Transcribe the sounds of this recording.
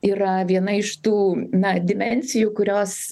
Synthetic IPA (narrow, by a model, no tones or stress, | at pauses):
iːrɐʋʲiɛnɐɪʃt̪uːnɐd̪ʲɪmʲɛnʲsʲɪjukʊɾʲoːs